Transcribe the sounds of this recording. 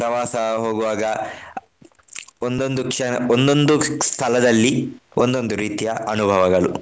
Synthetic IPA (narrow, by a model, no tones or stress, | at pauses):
pɾɐʋaːsɐɦoːɡuʋaːɡɐ | ond̪o̞nd̪ukʂɛnɐond̪o̞nd̪ust̪ʰɐlɐd̪ɐlːiond̪o̞nd̪uɾiːt̪ijɐɐnubʱɐʋɐɡɐɭu